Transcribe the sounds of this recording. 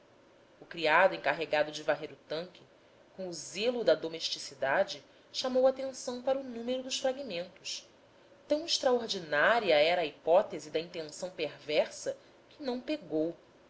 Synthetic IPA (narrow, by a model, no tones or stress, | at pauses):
ʊkɾiad̪ʊẽŋkaɦeɡad̪ʊd͡ʒɪvaɦejɾʊt̪ɐ̃ŋkʲɪ | kõw̃ʊzelʊd̪ɐd̪omeʃt͡ʃisid̪ad͡ʒɪ | ʃamowat̪ẽnsɐ̃w̃paɾɐʊnũmeɾʊd̪ʊʃfɾaɡimẽnt̪ʊs | t̪ɐ̃w̃ɪʃt̪ɾaoɾd͡ʒinaɾiɐɛɾɐːipɔt̪ezɪd̪ɐĩnt̪ẽsɐ̃w̃peɾvɛɾsɐ | kɪnɐ̃w̃peɡow